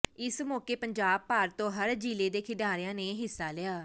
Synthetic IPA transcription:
ɪsmɔːkeːpəɲd͡ʒaːb̚paːɾt̪õːɦəɾd͡ʒiːleːd̪eːkʰɪɖaːɾɪjãːneːɦɪsːaːlɪjaː

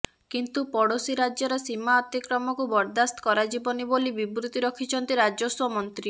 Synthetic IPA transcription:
kint̪upɔɽosiɾad͡ʒɔɾɔsimaɔt̪ikɾɔmɔkubɔɾd̪ast̪ɔ̥kɔɾad͡ʒibɔnibolibibɾut̪iɾɔkʰit͡ʃʰɔnt̪iɾad͡ʒɔswɔmɔnt̪ɾi

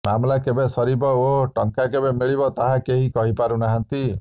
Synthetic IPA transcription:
mamlakebesɔɾibɔoʈɔŋkakebemiɭibɔt̪aɦakeɦikɔɦipaɾunaɦant̪i

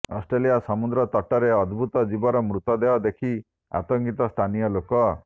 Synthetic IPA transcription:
ɔ̰sʈɾelijasɔmud̪ɾɔt̪ɔʈɔɾeɔd̪bʱut̪ɔd͡ʒibɔɾɔmɾut̪ɔd̪eɔd̪ekʰi | a̰t̪ɔŋɡit̪ɔst̪ʰanijɔlokɔ

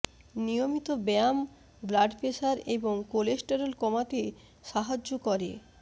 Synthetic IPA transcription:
nijomit̪obɛam | blaɖpeʃaɾeboŋkolesʈeɾolkɔmat̪e | ʃaɦad͡ʑːokɔɾḛ

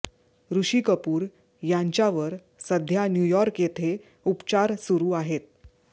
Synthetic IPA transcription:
ɾuɕiːkəpuːɾ | jaɲt͡ɕjaʋəɾ | səd̪ʱjanjujɔɾkjet̪ʰe | upt͡ɕaɾsuɾuːaɦet̪̚

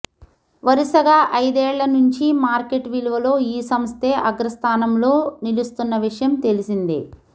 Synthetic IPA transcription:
ʋɐɾisɐɡaːʔɐjd̪eːɭːɐnuɲt͡ʃimaːɾke̞ʈʋiluʋɐlo̞ːiːsɐmst̪ʰeːʔɐɡɾɐst̪ʰaːnɐmlo̞ːnilust̪unːɐʋiʂɐjɐmt̪e̞lisind̪ḭ

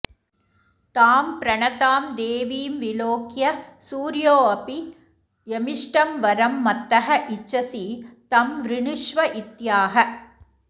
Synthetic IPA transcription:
t̪aːmpɾɐɳɐt̪aːmd̪eːʋiːmʋiloːkjɐsuːɾjoːɐpi | jɛmɪʂʈɐmʋɐɾɐmːɐt̪ːɐɦɐʔɪt͡ʃːɐsit̪ɐmʋɾɪɳɯʂʋɐʔɪt̪jaːɦɐ

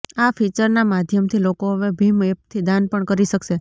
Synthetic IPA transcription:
afit͡ʃəɾnamad̪ʱjəmt̪ʰilokoəʋebʱimep̚t̪ʰid̪anpəɳkəɾiʃəkʃe

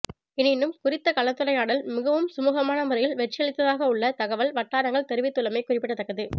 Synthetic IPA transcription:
ɪnɪnːɯmkʊrɪt̪ːɐkɐɭɐt̪ːɯlɐjaːɽɪlmɪɣɐʋɯmsʊmuːɣɐmaːnɐmʊrɐjɪlʋɛʈ̚t͡ʃːɪjɐɭɪt̪ːɐðaːɣɐʊɭːɐt̪ɐɣɐʋɐlʋɐʈːaːɽɐŋɡɐɭt̪ɛɾɯʋɪt̪ːɯlɐmɐɪkʊrɪpːɪʈːɐt̪ːɐkːɐðɯ

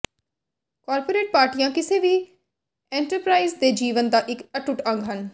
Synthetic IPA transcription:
kaːɾpoːɾeːʈ̚paːɾʈijãːkɪseːʋiː | ɛ̃ːɳʈəɾpɾaːizd̪eːd͡ʒiːʋənd̪aːʔɪkəʈʊʈə̃ŋɡɦən

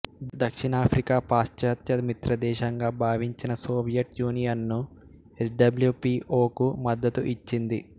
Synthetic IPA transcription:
d̪ɐkʂiɳaːpʰɾikaːpaːst͡ʃaːt̪jɐmit̪ɾɐd̪ɛːʃɐŋɡaːbʱaːʋiɲt͡ʃinɐsoːbijɐʈ̚juːnijɐnːu | esɖɐbljuːpiʔoːkumɐd̪ːɐt̪uʔit͡ʃːind̪i

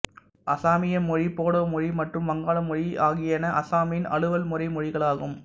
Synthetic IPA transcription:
ʔɐsaːmɪjɐmːɔɻipoːɽoːmɔɻimɐʈrɯmʋɐŋɡaːɭɐmɔɻiʔaːɣɪjɐnɐʔɐsaːmjɪnɐ̰ɭɯʋɐlmʊrɐɪmɔɻɪɣɐɭaːɣɯm

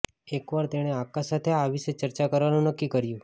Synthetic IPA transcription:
ekʋaɾt̪eɽ̃eakasat̪ʰeaʋiʃet͡ʃəɾt͡ʃakəɾʋanũnəkːikəɾjũ

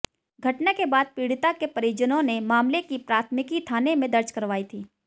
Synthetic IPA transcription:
ɡʱɐʈnakebaːd̪̚piːɽɪt̪akepəɾid͡ʒənõnemaːmlekipɾaːt̪ʰmɪkit̪ʰaːnemẽd̪ɐɾd͡ʒkəɾʋaːit̪ʰiː

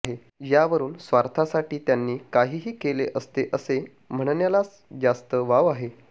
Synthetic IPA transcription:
ɦe | jaʋəɾuːnsʋaɾt̪ʰasaʈiːt̪janːiːkaɦiːɦiːkeleʔəst̪eʔəse | m̤əɳ̃ɳjalat͡s | d͡zast̪əʋaʋaɦe

